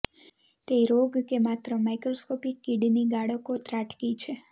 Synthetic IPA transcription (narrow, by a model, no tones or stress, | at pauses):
t̪eɾoɡkemat̪ɾəmajkɾoskopikːiɖniɡaɽəkot̪ɾaʈʰkit͡ʃʰe